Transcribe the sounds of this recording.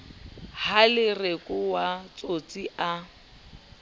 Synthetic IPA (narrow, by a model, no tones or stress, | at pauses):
halɪrekʼʊwat͡sʼot͡sʼiʔa